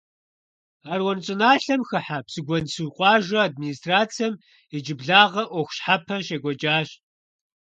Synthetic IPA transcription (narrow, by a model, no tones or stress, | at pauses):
aːrwɔnt͡sʼɨnaːɬɐmxɨħapsɨɡʷɔnsɨqʷʼɑːʒʷɐad̚miniːstraːt͡sʰijɐm | id͡ʒɪbɮaːʁɐʔʷɔxʷɕħapʰɐʃeːɡʷɔd͡ʒʼaːɕ